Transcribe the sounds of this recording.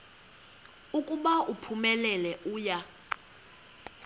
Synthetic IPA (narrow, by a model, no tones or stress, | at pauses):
ukʼuɓaʔupʰumɛlɛlɛʔuːja